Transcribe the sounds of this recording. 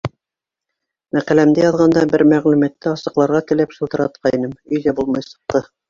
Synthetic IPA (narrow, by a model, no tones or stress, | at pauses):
mæqælæmd̪æjɑðʁɑnd̪ɑbɘɾmæʁlʉmæt̪ːɘɑsɤ̆qlˠɑɾʁɑkɘ̆lɘpʃɤ̆lˠt̪ɤ̆ɾɑt̪̚qʰɑinɘmɵ̆jðæbulˠmɑjsɤ̆q̚t̪ɤ